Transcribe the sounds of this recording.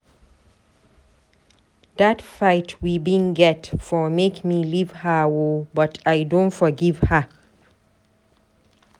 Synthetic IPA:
ðatfajtʰwibĩnɡɛtfɔmekmilivhəwobʌtʰajdõntfɔɡivhə

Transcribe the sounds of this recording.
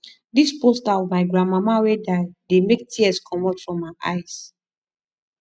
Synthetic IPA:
dispostaɔvmaɪɡɹãnmamawedaɪdemek̚tʰiɛskʰɔ̃mɔtfɹɔ̃mːaɪʔa̰ɪs

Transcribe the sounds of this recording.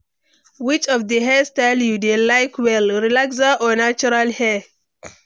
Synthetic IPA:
wit͡ʃɔfdəɦɛstajljudelajkʰwɛlɾilaks̬aʔɔnat͡ʃuɾalhɛ

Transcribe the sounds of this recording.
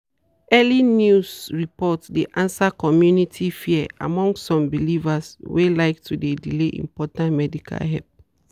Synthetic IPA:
ɛlinjusɹipɔtdeʔãnsakɔmjunitʰifiɛa̰mɔ̃ŋɡsːɔ̃mbilivaswelaɪk̚tʰudedileʔḭ̃mpɔtãntmɛdikʰa̰lɦɛ̰p

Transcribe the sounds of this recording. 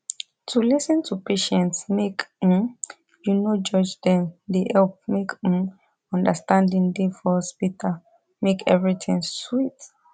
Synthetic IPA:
tʰulisə̃ntʰupeʃɛ̃ntsmek̩ | junod͡ʒɔd͡ʒdɛ̃ndeʔɛlp̚mek̩ | ɔ̃ndəstãndĩŋdefɔspitʰa | mekʰɛvɹitʰĩŋswit

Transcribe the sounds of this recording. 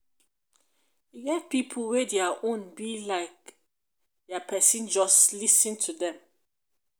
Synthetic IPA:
juɡɛt̚pʰipʰəl̩wɛdɛəʔõnbilaɪk̚ | dɛpʰɛsĩnd͡ʒɔslisə̃ntʰudɛ̃m

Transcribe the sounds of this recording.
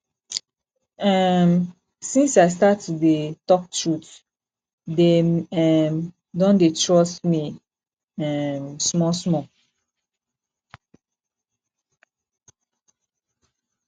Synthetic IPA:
ɛm | sĩnsaɪs̬tatdetɔk̚tɹut | demɛm | dɔ̃ndetʰɹɔstmi | ɛmsmɔsmɔ

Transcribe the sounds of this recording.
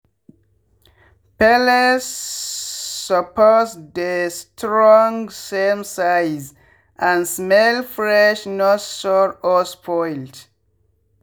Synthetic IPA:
pɛləsː | ɔpɔsd̪əstʰɹɔ̃ŋsemsaɪz | ʔãnsmɛlfɹɛʃnɔtsɔɹɔspʰɔɪld

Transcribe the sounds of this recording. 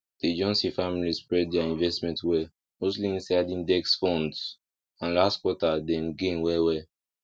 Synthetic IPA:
d̥ed͡ʒɔ̃nsifamilispɹɛd̚dɛaĩnvɛstmɛ̃ntwɛ | mosliĩnsadĩndɛksfɔ̃nds | ãnlastkwɔtadɛ̃mɡẽnwɛwɛ

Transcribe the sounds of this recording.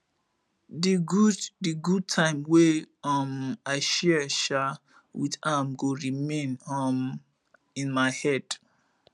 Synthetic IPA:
diɡuddiɡud̚tʰãɪ̃mweʌmaɪʃɛʃal | wḭðãmɡoɹimẽnɔm | ĩnmaɪhɛd̥

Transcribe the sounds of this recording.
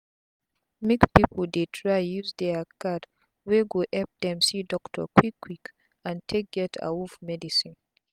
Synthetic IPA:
mikpipʰəldetʰɹajjuzd̪ɛkʰad | weɡoʔɛp̚d̪ɛ̃msidɔktʰə̰kwikʰːwik | ãntʰek̚ɡɛtʰa̰wufmɛdisĩn

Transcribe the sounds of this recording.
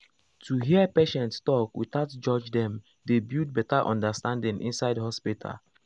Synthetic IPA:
tʰuɦiəpeʃɛ̃ntstɔkwiθaʊtd͡ʒɔd͡ʒdɛ̃m | debud̚bɛtaʔɔ̰̃ndəstãndĩŋʔḭ̃nsaɪdhɔspitʰa̰l

